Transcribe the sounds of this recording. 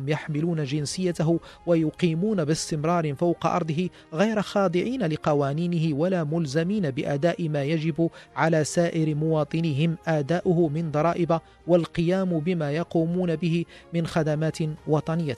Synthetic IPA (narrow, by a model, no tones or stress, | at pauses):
mjaħmɪluːnad͡ʒɪnsɪjːat̪aɦʊwajʊqiːmuːnabɪst̪ɪmɾˤɑːɾɪfawqɑ̰ʔɑ̰ɾˤd̪ˤɨɦɪ | ɣajɾaxɑːd̪ˤɨʕiːnalɪqɑwaːniːnɪɦɪwalaːmʊlzamiːnabɪʔaːd̪aːʔɪmaːjad͡ʒɪbʊʕalaːsaːʔɪɾmʊwɑːt̪ˤɨnɪɦɪmʔaːd̪aːʔʊɦʊmɪnd̪ˤɑɾˤɑːʔɪba | walqɨjaːmbɪmaːjɑquːmuːnabɪhɪmɪnxad̪amaːt̪wɑt̪ˤɑnɪjːa